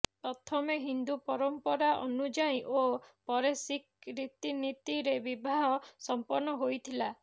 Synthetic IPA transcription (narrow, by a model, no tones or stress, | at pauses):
pɾɔt̪ʰɔmeɦind̪upɔɾɔmpɔɾaʔɔnud͡ʒajĩʔopɔɾesikɾit̪init̪iɾebibʱaɦɔsɔmpɔɾnɔɦojt̪ʰila